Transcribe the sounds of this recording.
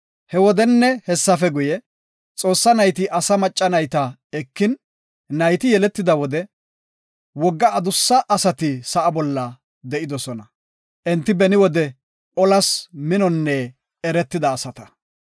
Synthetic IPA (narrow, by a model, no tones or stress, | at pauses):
hɛwɔd̪ɛnːɛhɛsːɐfɛɡʊjɛ | t͡sʼo̞ːsːɐnɐjt̪ɪʔɐsɐmɐt͡ʃʼːɐnɐjt̪ɐɛkːɪn | nɐjt̪ɪjɛlɛt̪ːɪd̪ɐwɔd̪ɛ | wɔɡːɐːd̪ʊsːɐʔːsɐt̪ɪsɐʔɐbɔlːɐ | d̪ɛʔɪd̪ɔsɔnɐ | ʔɛnt̪ːɪbɛnɪwɔd̪ɛ | ɔlɐsmɪnɔnːɛ | ɛɾɛt̪ːɪd̪ɐːsɐt̪ɐ̥